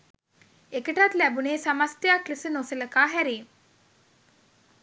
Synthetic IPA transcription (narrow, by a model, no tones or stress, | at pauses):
ekəʈat̪læbuneːsamast̪ejaklisənosələkaːɦæɾiːŋ